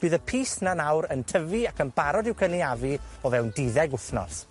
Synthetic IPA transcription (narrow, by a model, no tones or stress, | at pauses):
b̥ɨːðəpʰiːsnanawɾəntʰəviakʰənbaɾɔdɪwkʰəniaviɔvɛwndɪðɛɡʊθnɔ̰s